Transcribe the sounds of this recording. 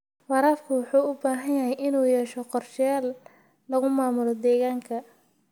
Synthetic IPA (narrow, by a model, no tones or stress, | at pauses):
fɑɾaːfkʰʊwɑħuːʊbaːɦɐnjɐɦɛjʔɪnuːjɛːʃɔqɔrʃɪjaːlː | ɐɣʊmaːmʊlɔd̪ɛːɣaːŋkʰɐ